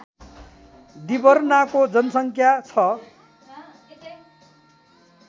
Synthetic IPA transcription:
d̪ibʌrnakod͡zʌnʌsʌŋkʰjat͡sʰʌ

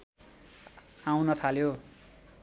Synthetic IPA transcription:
aw̃nʌt̪ʰaljo

